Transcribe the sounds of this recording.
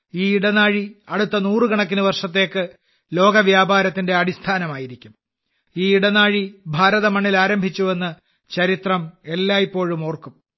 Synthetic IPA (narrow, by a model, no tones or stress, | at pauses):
iːiɽɐnaːɻiɐɽut̪ːɐnuːrɨɡɐɳɐk̬ːinuʋɐrʂɐt̪̬ːe̞ːkːɨ | lo̞ːɡɐʋjaːbʱaːɾɐt̪ːinde̞ɐɽist̪ʰaːnɐmaːjiɾikʲːum | iːiɽɐnaːɻibʱaːɾɐðɐmɐɳːilaːɾɐmbʱit͡ɕːue̞nːɨ | t͡ɕɐɾit̪rɐmelːaːjipːo̞ːɻumoːrkum